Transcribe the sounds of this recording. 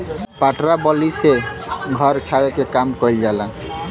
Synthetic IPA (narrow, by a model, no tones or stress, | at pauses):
paʈɾabɔliseɡʱʌɾt͡ʃʰawekekamkɔild͡ʒala